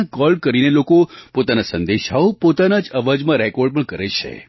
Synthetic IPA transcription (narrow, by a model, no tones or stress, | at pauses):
kɔlɖ̚kəɾinelokopot̪anasənd̪eʃaopot̪anad͡ʒəʋad͡ʒmãɾɛkɔɾɖ̚pəɳkəɾet͡ʃʰḛ